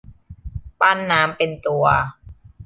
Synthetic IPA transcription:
pa˥˩˨nːaː˦˥mpe˧nt̪u˧ɐ

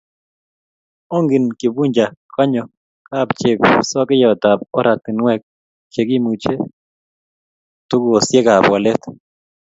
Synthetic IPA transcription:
ɔ˦ŋɡɪ˨nkɪ˨bu˦ɲd͡ʒa˨kʰa˦ɲɔ˨ | ka˦˨bt͡ʃe˨bsɔ˦kɪ˦jɔ˨t̪a˨p̚ɔ˦ɾa˨t̪ɪ˨nwɛ˦k̚ | t͡ʃe˨ɡɪ˦mu˨t͡ʃe˦ | t̪u˦ɡɔ˨sjɛ˦ɡa˨pwa˨lɛ˦t̪

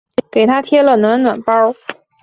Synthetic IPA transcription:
ke˨˩ɪt̪ʰa˥t̪ʰjɛ˥lə˨nwa˧˥nnwa˨˩npɑ˥

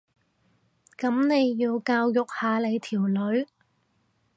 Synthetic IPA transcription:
kɐ˨˥mne˨˧jːiː˧wkaː˧wjʊ˨k̚haː˨˧le˨˧jt̪ʰiː˨˩wlɵ˨˧˥ɥ

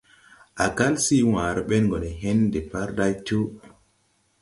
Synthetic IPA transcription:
ʔa˨ka˦lsi˦wãː˨ɾɓe˦nŋɡo˨ne˨ɦe˦nde˨pa˦ɾɗa˦jtu˦

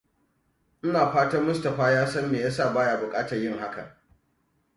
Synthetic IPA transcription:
ʔɪ˦naː˨ɸaː˦tɐ˦rmʊ˦stɐ˨ɸaː˦jaː˦sɐ˦mːeː˨ja˦sa˦˨baː˦ja˨bʊ˨kʼaː˦tɐ˨jɪ˦ŋɦa˦kɐ̰˨

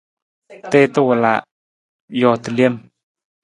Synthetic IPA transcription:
t̪e˦t̪ə˦wə˨la̰˨ʔ | jɔ˨t̪ə˨li˦ə˨m

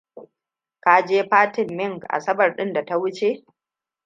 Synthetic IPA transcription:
kaː˦d͡ʒeː˦ɸaː˦tɪ˨mːɪ˦˨ŋɡʔa̰˨sɐ˦bɐ˨rɗɪ˦nda˨ta˦wʊ˦t͡ʃe˦˨

